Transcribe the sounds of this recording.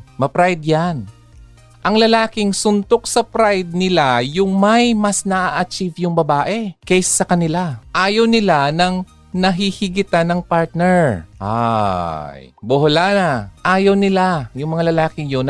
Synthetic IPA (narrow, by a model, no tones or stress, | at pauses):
mɐpɾajd̪̚jan | ʔɐŋlɐlaːkɪŋsʊnt̪ok̚sɐpɾajd̪̚nɪlajʊŋmɐjmɐsnɐʔaʔɐt͡ʃivjʊŋbɐbaːʔɛkɛjsːɐkɐnɪlaʔaːjɐwnɪlanɐŋ | nɐɦihɪɡɪt̪anɐŋpaɹt̪̚nɛɹʔa̰ | jbʊɦʊlanaʔaːjɐwnɪlajʊŋmɐŋalɐlaːkɪŋjon